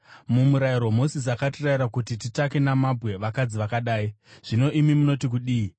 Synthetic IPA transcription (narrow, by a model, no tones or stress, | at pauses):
mumuɾaiɾomosis̬akatiraiɾakutititake̞namabʱɣe̞ʋakad͡ziʋakaɗaːiʐ̥ino̞ʔimimuno̞tik̬uɗiːi